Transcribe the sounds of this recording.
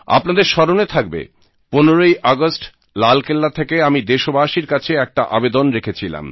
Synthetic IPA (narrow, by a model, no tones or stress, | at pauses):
a̰pnad̪eɾʃɔɾonet̪ʰak̚bḛ | ponoɾojʔaɡosʈ | lalkelːat̪ʰekeamid̪eʃobaʃiɾkat͡ɕʰeɛk̚ʈaʔabed̪onɾekʰet͡ɕʰila̰m